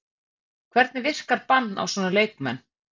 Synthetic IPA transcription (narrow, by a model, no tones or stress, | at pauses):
kʰvɛɾt̪nɪvɪr̥kaɾpanːa̰wsɔːnaleːjkmɛnː